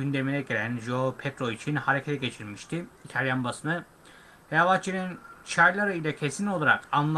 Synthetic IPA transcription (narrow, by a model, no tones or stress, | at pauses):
ynd̪e̞minɛɟelʲænʒopʰet̪ɾoit͡ʃʰinhaɾecʰet̪ʰɛɟe̞t͡ʃʰiɾmiʃt̪ʰiit̪ʰalʲjanbasɯnɯ | vɛjavat͡ʃʰiɾint͡ʃʰajlʲˠaɾɯilʲɛcʰesino̞lˠaɾakanlˠ